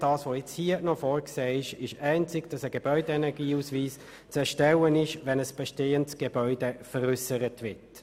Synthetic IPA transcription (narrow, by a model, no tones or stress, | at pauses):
d̥ɑːsʋojɛt͡shiːənɔfɔːɾkseːɪʃɪʃɛɪnt͡sɪɡd̥ɑsəɡebœʏdeɛnɛʁɡiːuːsʋiːs | t͡sɛʃtɛwənɪʃʋɛnəsb̥ɛʃteːəntsɡ̥ebœʏdefəɾʏsəɾətʋɪt